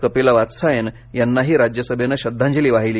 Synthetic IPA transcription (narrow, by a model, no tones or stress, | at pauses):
kəpelaʋat̪sajen | janːaɦiːɾad͡ʑjəsəbʱenaɕəd̪ʱːãɲd͡ʑəliːʋaɦiliː